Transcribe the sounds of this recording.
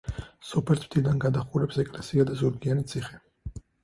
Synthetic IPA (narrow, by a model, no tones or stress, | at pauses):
sɔpʰɛlt̪ʰmd̪̥id̪anɡad̪aχuɾɛpsɛkʼlɛsiad̪azuɾɡianit̪sʰiχɛ